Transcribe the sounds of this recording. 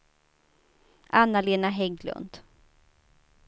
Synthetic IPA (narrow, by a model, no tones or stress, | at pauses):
ʔanːaleːnaɦɛɡlɵ̰nd̪̥